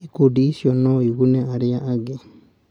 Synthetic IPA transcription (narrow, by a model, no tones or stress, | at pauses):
ikudisjonoiɣuneaɾijaʔːɡe